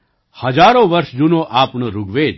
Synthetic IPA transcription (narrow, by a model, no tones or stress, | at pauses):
hɐd͡ʒaːɾõʋɐɾsd͡ʒunõʔaːpnəɾuɡʋeːl